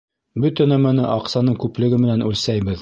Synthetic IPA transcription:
bɵt̪ænæmɘ̆nɘʔɑqsɑnɤɴkʉplɘ̆ɡɘmɘ̆nænʉlsæjbɘð

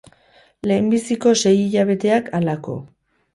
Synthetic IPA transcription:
le̞ːmbisiko̞se̞jiʎaβ̞e̞t̪e̞akʰalako̞̰

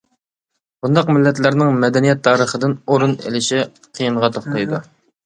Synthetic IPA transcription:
bund̪ɑqmɪlːɛt̪læɾnɪŋmɛd̪ɛnijɛt̪ʰːɑːɾəχəd̪ɪnoɾunḛlɪʃɪ | qʰijɨɴʁɑt̪ʰoχ̚qʰojd̪u

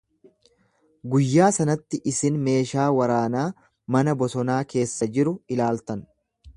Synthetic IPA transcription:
ɡʊjːaːsɐnɐt̪ːɪʔɪsɪnme̞ːʃaːwɐɾaːnaː | mɐnɐbɔsɔnaːke̞ːsːɐd͡ʒɪɾʊɪlaːlt̪ɐn

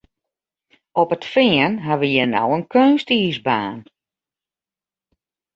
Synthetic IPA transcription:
ɔpətfɪənɦaʋəjəna̰wənkøːstiːsbaːn

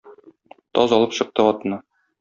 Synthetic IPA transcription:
t̪ɒzɒlˠɤpɕɤ̆q̚t̪ɤɒt̪ɤ̆nɑ

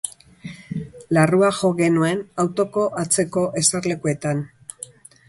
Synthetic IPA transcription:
laruaʝo̞ɣe̞nue̞nawt̪o̞ko̞ʔat͡se̞ko̞ʔe̞sarle̞kue̞t̪an

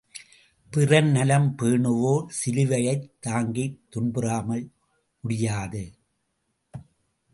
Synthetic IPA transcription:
pɪrɐnnɐlɐmpeːɳɯʋoːsɪlɪʋɐjɐɪt̪ːaːŋɡit̪ːʊnbɯraːmɐl | mʊɽɪjaːðɯ

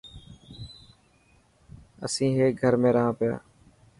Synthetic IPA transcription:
əsĩːɦeːɡʱəɾmẽːɾəɦãːpɪja̰ː

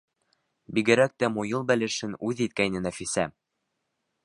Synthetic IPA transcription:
biɡɘ̆ɾæk̚t̪æmujɤlˠbælɘ̆ʃɘnʉðit̪̚kæjnɘnæfisæ

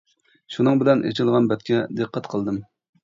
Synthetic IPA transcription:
ʃunɨŋbɪlɛnʔḛt͡ʃʰilˠʁɑnbɛt̪̚kʲʰɛd̪ɨqʰːɑt̪qʰəlˠd̪ɨm

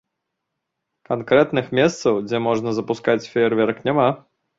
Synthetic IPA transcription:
kankɾɛt̪nɨxmʲɛst̪sɐwd͡zʲɛmɔʐnɐzɐpuskat͡sʲfʲɛrvʲɛɾɐknʲɛma

